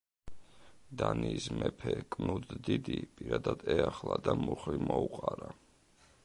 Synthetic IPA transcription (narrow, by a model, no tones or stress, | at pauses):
d̪aniːsmɛpʰɛkʼnud̪d̪id̪ipʼiɾad̪ad̪ɛaχlˠad̪amuχlimɔuqʼaɾa